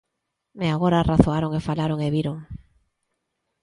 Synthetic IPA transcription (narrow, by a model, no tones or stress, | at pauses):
meaɣoɾaraθoaɾoŋefalaɾoŋeβiɾoŋ